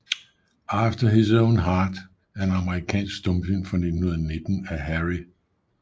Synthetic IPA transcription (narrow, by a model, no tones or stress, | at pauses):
ʔɑfd̥ɐɦisõʊ̃nɦɑːd̥ | æɐæenɑ̈məʁikʰɛ̰ːnsɡ̥sd̥ɔ̽mfynfʁɑne̝dn̩hun̩ˠɐne̝d̥n̩æɦæʁi